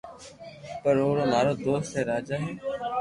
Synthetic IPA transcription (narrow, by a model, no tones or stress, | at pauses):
pəɾoːɾoːnaːɾoːd̪oːst̪eːɾaːd͡ʒaːɦɛː